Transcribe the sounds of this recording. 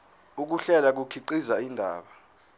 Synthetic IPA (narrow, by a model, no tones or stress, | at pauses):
uk̬uɬɛlak̬ukʰiǃizaindʱa̰ːɓa